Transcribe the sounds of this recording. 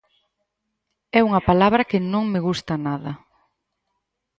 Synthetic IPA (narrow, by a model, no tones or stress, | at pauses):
ɛuŋɐpalaβɾɐkɪnõŋmɪɣust̪ɐnaðɐ